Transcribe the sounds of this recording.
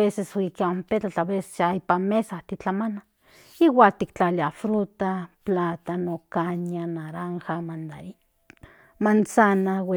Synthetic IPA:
eseswikmpet͡ɬat͡ɬaβese̥jaipamesaht̪it͡ɬamana | iwakt̪ikt͡ɬaliafɾut̪aplat̪anokananaɾaŋxamand̪aɾi | mant͡sanawe

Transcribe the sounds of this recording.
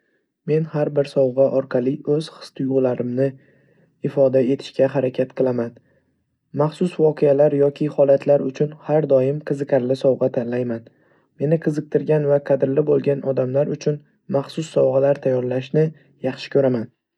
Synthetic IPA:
me̞nhaɾbɪɾsɒwʁɑʔɒɾqʰɑlˠɪɵz̥χɨ̥st̪ʰɪjʊʁlaɾɪmnɪ | ɪfɒd̪ae̞t̪ʰɪ̥ʃkʲaɦaɾakʲʰat̪qʰɨlˠaman | maχsʊsvɒqʰealaɾjɒkʲʰɪhɒlat̪ʰlaɾʊt͡ʃʰʊnhaɾd̪ɒjɪmqʰɨzɨqʲʰaɾlɪsɒwʁɑt̪ʰanlajman | me̞nɪqʰɨzɨq̚t̪ʰɪɾɡʲanvaqʰɑd̪ɪɾlɪbolˠɡʲanʔɒd̪amlaɾʊt͡ʃʰʊn | maχsʊsːɒwʁɑlaɾt̪ʰajːɒɾlaʃnɪ | jɑχʃɪ̥kʲʰɵɾaman

